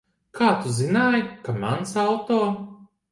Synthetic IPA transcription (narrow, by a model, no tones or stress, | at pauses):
kʰaːt̪uzinaːjkamansawt̪oː